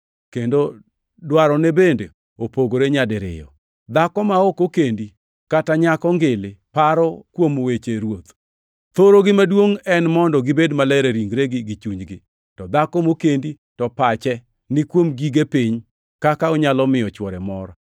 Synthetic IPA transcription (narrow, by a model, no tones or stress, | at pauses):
kendo | dwaɾɔnebende | opoɡoɾeɲadɪɾɪ̰jɔ̰ | d̪akɔmaokokendi | kataɲakɔŋɡɪlɪpaɾɔkwomowet͡ʃeɾwot̪ | t̪oɾoɡɪmadwoŋɛnmɔndɔɡɪbedmalɛɾeɾiŋɡɾeɡɪɡɪt͡ʃuɲd͡ʒɡɪ | tɔd̪akɔmokendi | tɔpat͡ʃɛ | nɪkwomɡiɡepiɲ | kakaɔɲalɔmɪjɔt͡ʃwɔɾɛmɔɾa